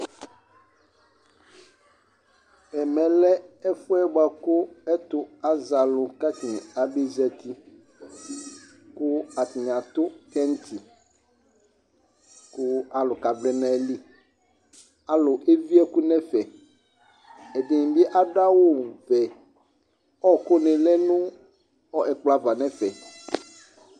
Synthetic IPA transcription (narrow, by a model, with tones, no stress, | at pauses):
ɛ˨mɛ̃˨lɛ˦ɛ˦fʊ˦ɛ˦ɡ͡ba˨kʊ˦ɛ˦t̪ʊ˦a˦za˨lʊ˨ka˦tĩ˨a˨bi˦zɛ˨t̪i˦ | kʊ˦a˨tɪ˨a˨t̪ʊ˦kɛ˦n̩˦tʰi˨ | kʊ˦a˨lʊ˨ka˨blɛ˦nã˦˨li˦ | a˨lʊ˨ʔe˦vi˦ɛ˦kʊ˦nɛ̃˦fɛ˨ | ɛ˨d̪ɪ˨ŋ̃˨bi˦ʔa˦da˦wʊ˦˨vɛ˨ | ɔ˦kʊ˦nɪ̃˨lɛ˦nʊ̃˦ | ɔ˦ʔɛ˨k͡pla˨va˨nɛ̃˦fɛ˨